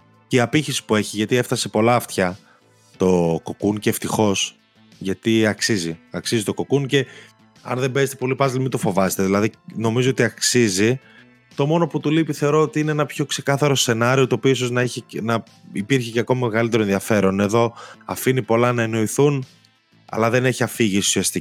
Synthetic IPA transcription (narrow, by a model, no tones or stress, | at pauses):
ceiɐpiçisi̥pue̞çiʝɐt̪ie̞ft̪ɐse̞po̞lɐːft̪çɐ | t̪o̞ko̞kunceːft̪ixo̞s | ʝɐt̪iɐksiziɐksizit̪o̞ko̞kunce̞ | ɐ̰nðe̞mbe̞zet̪epo̞lipɐzlimidt̪ofo̞vɐse̥t̪eðilɐðino̞mizo̞o̞t̪iɐksizi | t̪o̞mo̞no̞put̪ulipiθe̞o̞ɾo̞ot̪iine̞enɐpço̞kse̞kɐθɐɾo̞se̞nɐɾio̞t̪oopiiso̞znɐiçinɐ | ipiɾçiceko̞mɐme̞ɣɐlit̪e̞ɾo̞nðiɐfe̞ɾo̞ne̞ðo̞ɐfinipo̞lɐnɐeno̞iθun | ɐ̰lɐðe̞ne̞çiɐfiʝisusiɐst̪i